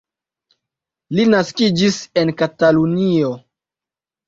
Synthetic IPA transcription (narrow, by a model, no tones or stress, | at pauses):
linaskid͡ʒise̞nkatalunio